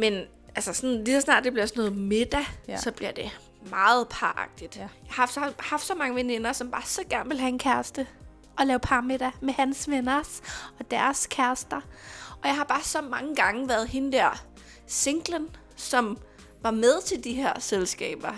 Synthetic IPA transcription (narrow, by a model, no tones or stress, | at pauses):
men | ælsɐsɒ̽nnlisɒsnɑ̰̈ːd̥̚d̥eb̥liɐsɒnɔ̽ːð̩ˠmed̥æsɒ̽b̥liɐ̰d̥e̝ | mɑ̈ːð̩ˠpʰɑ̈ːʔɑ̈ɡ̥̚d̥id̥jɑ̈ɪhɑ̈fd̥sɒhɑ̈fd̥sɒ̽mɑ̈ŋəʋene̝nɐsɒ̽mb̥ɑ̈ːsɒ̽ɡ̥æɐnʋe̝lɦæenkʰæɐsd̥ə | ʔɒ̽lɛːʊpʰɑ̈ːmed̥æmehænsʋenɐsɒ̽d̥æɐskʰæɐsd̥ɐʔɒ̽jɑ̈ɪɦɑ̈b̥ɑ̈ːsɒ̽mɑ̈ŋəɡ̥ɑ̈ŋəʋæɐðˠɦe̝nəd̥æɐ̰ | se̝ŋɡ̥lən | sɒ̽m | ʋɑ̈með̞ˠt͡sʰe̝ld̥iɦeɐ̰selsɡ̥ɛ̰ːb̥ɐ